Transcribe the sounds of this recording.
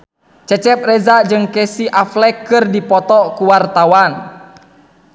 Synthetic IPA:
t͡ʃɛt͡ʃɛp̚rɛzad͡ʒɨŋkɛsiʔaflɛkɨrdipɔt̪ɔkuwart̪awan

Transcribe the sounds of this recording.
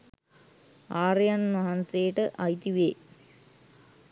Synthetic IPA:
aːrjɐnmɐɦɐnsejʈɨʔɐjt̪iʋeː

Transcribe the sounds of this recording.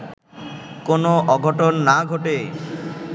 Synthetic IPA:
konoʔɔɡʱoʈonːaɡʱoʈe

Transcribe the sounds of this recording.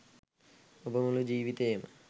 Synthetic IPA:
obɐmulud͡ʒiːʋit̪eːmɨ̰

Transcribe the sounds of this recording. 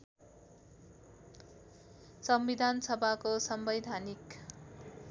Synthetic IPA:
sʌmbid̪ʱansʌbʱakosʌmbʌjd̪ʱanik

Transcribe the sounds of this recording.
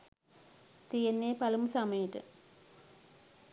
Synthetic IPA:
t̪ijenːeːpɐlumusɐmɐjɐʈɨ̰

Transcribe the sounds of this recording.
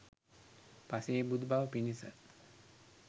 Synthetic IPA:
paseːbud̪baʋəpinisə

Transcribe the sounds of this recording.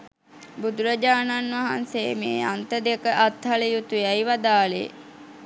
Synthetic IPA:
bud̪uɾəd͡ʒaːnanʋaɦanseːmḛːant̪əd̪ekəʔat̪ɦaləjut̪uɛjʋad̪aːlḛ

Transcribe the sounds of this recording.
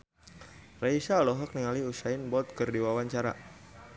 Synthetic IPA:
raisaːlɔɦɔk̚niŋaliusainbɔt̪̚kɨrdiwawaɲt͡ʃaɾa̰

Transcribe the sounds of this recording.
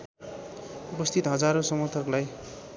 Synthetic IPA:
upʌst̪ʰit̪ɦʌd͡zaɾosʌmʌt̪ʰʌrlaj

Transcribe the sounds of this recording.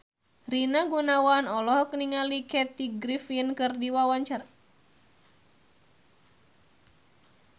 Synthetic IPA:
rinaɡunawanɔlɔɦɔkniŋalikɛt̪iɡɾifiənkɨrdiwawaɲt͡ʃar

